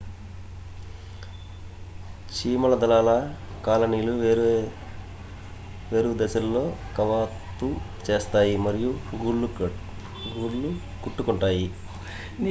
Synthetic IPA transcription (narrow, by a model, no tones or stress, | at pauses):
t͡ʃiːmɐlɐd̪ɐlaːlɐ | kaːlɐniːlu | ʋeːɾud̪ɛsɐlːo̞ːkɐʋaːt̪ːu | t͡ʃe̞ːst̪aːjimɐɾijuɡuu | ɡuːɾlu | kuʈːukuɳʈaːji